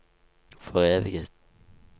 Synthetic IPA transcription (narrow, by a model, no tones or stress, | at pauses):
fɔʁeːʋɪɡət̪